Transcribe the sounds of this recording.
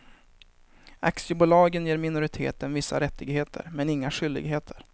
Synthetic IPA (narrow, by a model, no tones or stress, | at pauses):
a̰ksɪəbʊlɑːɡənjeːɾmɪnʊɾɪt̪ʰḛːt̪ənvɪsːa̰ɾɛt̪ːɪɡɦeːt̪ʰə̰ɾmɛnɪŋːaɧʏld̪ɪ̰ɡɦeːt̪ʰəɾ